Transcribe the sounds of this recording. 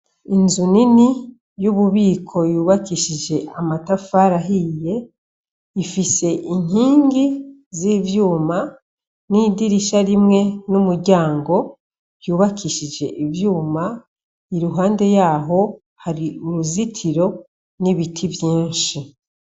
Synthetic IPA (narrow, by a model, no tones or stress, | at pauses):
inzunini | juβuβiːkʰo̞juːβakiʃid͡ʒe̞ʔamatafaːɾaɦije̞ | ifise̞ʔin̥hiːŋɡi | zivjuːma | niːdiɾiʃaɾimŋe̞numuɾɟaːŋɡo̞ | juːβakʰiʃid͡ʒe̞ʔivjuːma | iɾuɦaːnde̞jaːɦo̞ | haɾiuɾuzitʰiɾo̞ | niβitʰivjiːnʃi